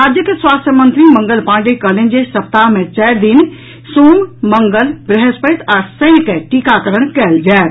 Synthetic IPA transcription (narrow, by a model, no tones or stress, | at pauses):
aːd͡ʒjəkeswaːst̪ʰjəmənt̪ɾimə̃ŋɡəlpãːɳɖikəlend͡ʒesɐp̚t̪aɦmẽt͡ʃɛːɾd̪in | soːmməŋɡəlbɾɛɦəspət̪aːsə̃nkeʈikakəɾəɽ̃kɛːld͡ʒaː